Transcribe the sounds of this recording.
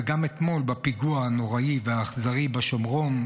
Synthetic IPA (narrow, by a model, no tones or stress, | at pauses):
ɡamet̪mo̞lbapiɡuaano̞ʁaiveaːχzaʁibaʃomʁo̞n